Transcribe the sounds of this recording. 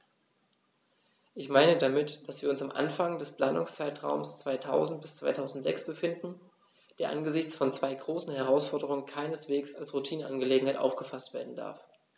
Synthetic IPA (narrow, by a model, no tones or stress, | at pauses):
ʔɪçmaɪnədamɪtd̥asv̥iːɐʊnsamʔa̰nfaŋdɛspl̥aːnʊŋst͡saɪtʁ̥a̰ʊmst͡sv̥aɪtʰa̰ʊzn̩t̚b̥ɪst͡sv̥aɪtʰaʊzn̩tz̥ɛ̰ksb̥əfɪndn̩ | d̥eːɐʔa̰nɡəzɪçt͡sfɔnt͡sv̥aɪɡʁoːsn̩ɦɛʁ̞aʊsfɔɐdəʁʊŋənkʰaɪnəsv̥eːksalsʁutʰiːnənʔanɡəleːɡŋ̩haɪtʔa̰ʊfɡ̥əfastv̥eːɐdn̩da̰ɐf